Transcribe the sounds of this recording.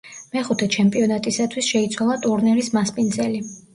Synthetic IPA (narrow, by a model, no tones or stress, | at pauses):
mɛχut̪ʰɛt͡ʃʰɛmpʼiɔnat̪ʼisat̪ʰwisʃɛit̪sʰwalˠat̪ʼuɾnɛɾismaspʼinzɛli